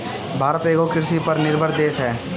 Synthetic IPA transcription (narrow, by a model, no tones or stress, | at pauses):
bʱaːɾət̪eːkokɪɾsipəɾnɪɾbʱəɾd̪eːsɦɛː